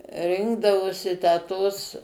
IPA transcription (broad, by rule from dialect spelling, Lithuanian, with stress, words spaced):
ˈrʲɪŋɡdɐʋoːsʲɪ tʲæː ˈtoːs